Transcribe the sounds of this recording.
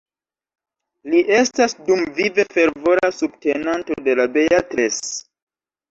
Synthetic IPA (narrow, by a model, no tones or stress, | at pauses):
liʔe̞stasdumvive̞fe̞ɾvo̞ɾasubte̞nanto̞de̞labe̞atɾes